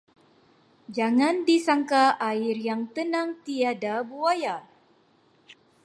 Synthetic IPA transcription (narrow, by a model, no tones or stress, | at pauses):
d͡ʒaŋandisaŋkaʔaɪrjaŋt̪ənaŋt̪iadabuaja